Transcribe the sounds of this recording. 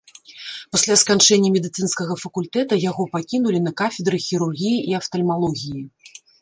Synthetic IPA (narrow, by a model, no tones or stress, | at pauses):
pasʲlʲaskant͡ʂɛnʲːɐmʲɛd̪ɨt̪sɨnskɐɣɐfɐkulʲt̪ɛt̪ɐjaɣɔpakʲinulʲinɐkafʲɛd̪ɾɨxʲiɾurɣʲijiʔiɐft̪ɐlʲmalˠɔɣʲiji